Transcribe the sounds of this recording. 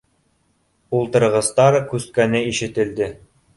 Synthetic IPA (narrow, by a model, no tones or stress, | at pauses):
ulˠt̪ɤ̆ɾʁɤ̆st̪ɑɾkʉskænɘiʃɘ̆t̪ɘ̆ld̪ɘ